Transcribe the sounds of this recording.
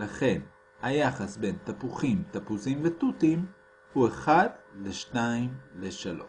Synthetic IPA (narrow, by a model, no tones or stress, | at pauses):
laχe̞n | hajaχasbe̞jnt̪apuχimt̪apuzimvet̪utim | hueχadleʃtaimleʃalo̞̰ʃ